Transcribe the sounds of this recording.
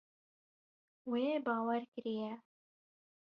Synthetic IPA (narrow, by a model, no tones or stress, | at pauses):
weːbɑːwɛɾkɾijɛ